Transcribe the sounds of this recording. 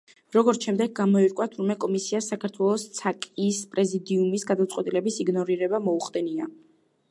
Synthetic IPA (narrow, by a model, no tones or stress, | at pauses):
ɾɔɡɔɾʃɛmd̪ɛɡ̚ɡamɔiɾkʼwat̪ʰuɾmɛkʼɔmisiasakʰaɾt̪ʰwɛlˠɔst̪sʰakʼispʼɾɛzid̪iumisɡad̪at̪sʼqwɛt̪ʼilɛbisiɡnɔɾiɾɛbamɔuχd̪ɛnia